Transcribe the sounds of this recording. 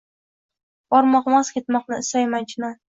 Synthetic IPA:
b̥ɒɾmɒqmɒzkʲʰe̞t̪mɒqnɪɪsajmant͡ʃʰɪna

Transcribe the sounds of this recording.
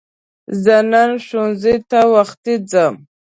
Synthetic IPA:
zananʂunzit̪awaχt̪id͡zam

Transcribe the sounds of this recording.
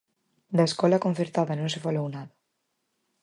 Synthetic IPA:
d̪aeskɔlakon̟θeɾt̪aðanõns̬efalownaðɐ

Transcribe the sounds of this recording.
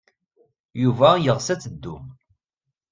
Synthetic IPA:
juvæjəʁsæt͡sːəd̪ːum

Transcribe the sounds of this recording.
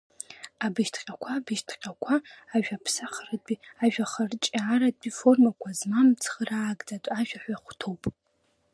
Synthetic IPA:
abɨʃtʰqʲʼakʷʰabɨʃtʰqʲʼakʷʰaːʒᶣapʰsaχərad̚ʼbʼiaʒᶣaχərt͡ʃʼːɾad̚ʼbifo̞rmakʷʰazmamt͡sʰχəraːɡʼd͡zatʷʼaʒᶣaħʷᶣaχʷtʰowpʼ

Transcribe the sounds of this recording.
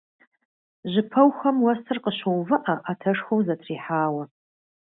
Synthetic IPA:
ʒɨpʰɐwxɐmwɐsʰɨrqəɕowvɨʔaʔatʰɐʂxowzɐtʰriːħaːwɐ

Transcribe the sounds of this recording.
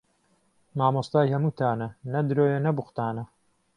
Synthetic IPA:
maːmost̪aːjhɐmuːt̪ʰaːnɐnɐd̪ɾoːjɐnɐbʊxʷt̪aːnɐ

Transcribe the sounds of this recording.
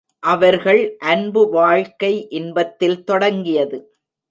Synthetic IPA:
ʔɐʋɐɾɣɐɭʔɐnbɯʋaːɻkɐɪʔɪnbɐt̪ːɪlt̪ɔɽɐŋɡɪjɐðɯ

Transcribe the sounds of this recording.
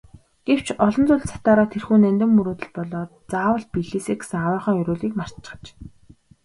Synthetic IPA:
ɡ̥ew̥t͡ɕʰɔɮɞ̆nt͡sʊɮsḁt̪aːɾaːt̪ʰerxuːnænʲt̪ɵ̆mːɵɾoːt̪ə̆ɮpɔɮɔː | t͡saːwə̆ɬ̚piɮeːseːɡe̥sŋawaːχœːŋjɵɾoːɮiːkmar̥tt͡ɕ̆ːχə̥̆t͡ɕ

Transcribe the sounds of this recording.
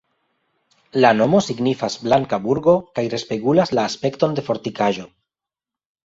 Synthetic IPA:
lano̞mo̞siɡnifazblaŋkabuɾɡo̞kajɾe̞spe̞ɡulaslaːspe̞kto̞nde̞fo̞ɾt̪ikaʒo̞

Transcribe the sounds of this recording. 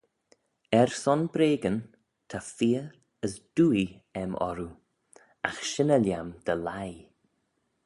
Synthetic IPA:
ɛɹsɔnbɾeːɡən | t̪ʰafiːəɾ | əsd̥uːi | ɛmʔɔ̰ɾu | axʃɪnəljamd̪̥əlaj

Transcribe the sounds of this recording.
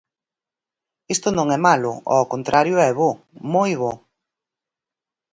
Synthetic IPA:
ist̪ʊnõŋɛmalʊ̰ʔɔ̰kont̪ɾʔaɾjʊɛβo | mojβo

